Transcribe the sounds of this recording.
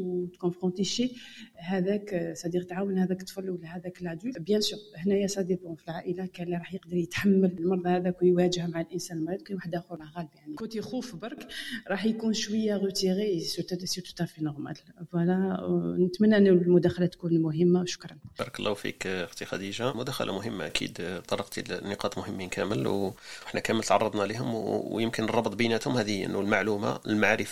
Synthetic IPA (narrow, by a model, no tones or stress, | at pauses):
wt̪kɔ̃fʁɔ̃t̪iʃiɦæd̪æksˤɑd̪iqt̪ʕawənhæd̪ækt̪ˤfɑlːwəlæhæd̪ækəlʕd̪ulbjæ̃suhnæjæsˤɑd̪ebɔ̃filʕaʔəlakælːiɾˤɑħjəqd̪əɾˤjət̪ħamːəllmɑɾˤd̪ˤɑhæd̪ækjwæʒəhmaʕalʔənsænlmɑɾˤd̪kæwaħəd̪æxulɣæləbjaʕnikot̪ixufbɑɾˤkɾˤɑħjkunʃwəjːaʁət̪iɣesuɾt̪sit̪u̥t̪æfinoʁmæ̰lbælænət̪mənːaʔənːullmʊd̪æxælæt̪kunmʊɦəmːawʃʊ̥kɾˤɑnbɑ̰ːɾˤɑklˤːɑfḭkxt̪ixæ̰d̪iʒamʊd̪æxæ̰lʔa̰mʊɦəmːa̰ʔækʰḭd̪t̪ˤːɑɾiqt̪inːəqɑt̪ˤmʊhəmːinkʰæməlwʔəħnækæmːəlt̪ʕɑrˤːɑd̪ˤnɑliɦʊmwjəmkənərˤːɑbt̪ˤbinæt̪hʊmhæd̪iʔə̰nːulmaʕluma̰lmaʕɾəf